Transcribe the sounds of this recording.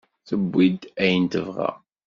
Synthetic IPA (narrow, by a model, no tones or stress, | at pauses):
θəbːid̪æjənt̪əvʁæ̰